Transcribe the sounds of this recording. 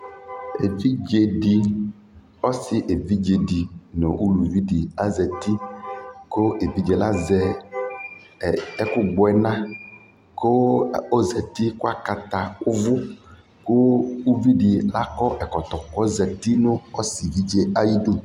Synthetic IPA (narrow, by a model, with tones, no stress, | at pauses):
ḛ˨vi˦d͡ʒe˨ɖi˨ | ɔ˦si˨ʔe˨vi˦d͡ʒe˨di˨nõ̰˨ʔu˦lu˨vi˦ɖi˨a˦zɛ˨t̪i˦ | ko˦e˨vi˦d͡ʒe˨la˦zɛ˨ | ɛ˦kʊ˦ɡ͡bɔ˨˦ɛ˨nã˦ | ko˦o˦zɛ˨t̪i˦ku˦a˦ka˨t̪a˨ʊ˦vʊ˦ | ko˦u˦vi˦ɖi˨la˦kɔ˦ʔɛ˨kɔ˨t̪ɔ˨kɔ˦zɛ˨t̪i˦nʊ̃˦ɔ˦si˨vi˦d͡ʒe˦a˦ji˦du˦